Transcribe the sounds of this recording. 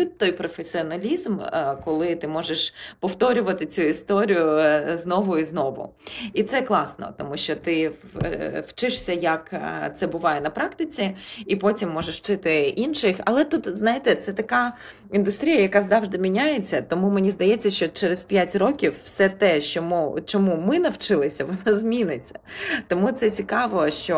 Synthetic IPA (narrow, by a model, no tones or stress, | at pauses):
ʊt̚ʲt̪ːɔjpɾɔfesʲiɔnɐlʲizmkɔlˠɪt̪ɪmɔʒeʃpɔwt̪ɔɾʲʊʋɐt̪ɪt͡sʲuist̪ɔɾʲijʊznɔʋʊiznɔʋʊ̰it̪sɛklˠɑsnɔ̰t̪ɔmuʃʲt͡ʃɔt̪ɪ | wt͡ʃɪʂsʲɐjɐkt̪sɛbʊʋɑjɛnɐpɾɑkt̪ɪt͡sʲiipɔtʲimːɔʒeʂwt͡ʃɪt̪ɪʔinʃɪxɐ̰lˠɛt̪ut̪znajɪt̪ɛt̪sɛt̪ɐkɑ | ind̪ʊst̪ɾʲijɐjɐkɑzɑʋʒd̪ɪmʲinʲajet͡sʲːɐt̪ɔmumenʲizd̪ɐjɛt͡sʲːɐʃt͡ʃɔt͡ʃɛɾezpʲjatʲrɔkʲiwːsɛt̪ɛʃt͡ʃɔmut͡ʃɔmumɪnɐwt͡ʃɪlˠɪsʲɐʋɔnazmʲinɪt͡sʲːɐ̥t̪ɔmut̪sɛt͡sʲikɑʋɔʃt͡ʃɔ